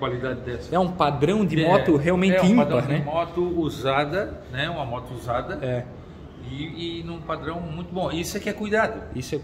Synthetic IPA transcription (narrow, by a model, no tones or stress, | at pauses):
kwalid̪ad͡ʒɪd̪ɛsɐ̥ɛũpad̪ɾɐ̃w̃d̪ɪmɔt̪ʊɦeawmẽnɛ̃ɪĩadp̪ɐnɛmɔt̪ʊuzad̪ɐnɛũmɐmɔt̪ʊuzad̪ɐɛ | ɪːnũpad̪ɾɐ̃w̃mũj̃t̪ʊbõisʊɛkɪɛkujd̪ad̪ʊisʊɛ